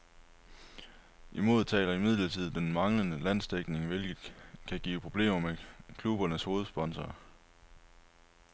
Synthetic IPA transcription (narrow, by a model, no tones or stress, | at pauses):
ʔimo̝ðˠt͡sʰɛ̰ːlɐimið̞̰ˠlɐt͡sʰið̞̩̰ˠd̥enmɑ̈ŋlənəlæn̰sd̥eɡ̥ne̝ŋʋe̝lɡ̥ð̩ˠkʰæɡ̥ḭːpʰʁo̝b̥le̝̰ːmɐmekʰlub̥ɐnəsho̝ːð̞̩ˠsb̥ɒ̽nsɐː